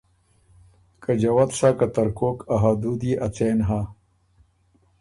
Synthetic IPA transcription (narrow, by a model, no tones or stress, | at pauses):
kad͡ʑɐwat̪sakat̪ɐɾkoːkaɦad̪ud̪eʔɐt͡seːnɦa